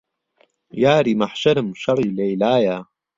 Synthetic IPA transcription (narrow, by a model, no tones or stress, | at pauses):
jaːɾiːmaħʃɐɾɨmʃɐɾˤiːlɐjlaːjaː